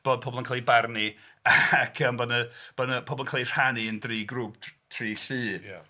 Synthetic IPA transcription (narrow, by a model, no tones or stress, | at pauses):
b̥oːd̚pʰɔbɔlˠənkʰalˠibarni | aakʰəmbɔnəb̥ɔnəpʰɔbɔlənkʰalˠir̥haniəndriːɡruːp̚tʰriːɬɨː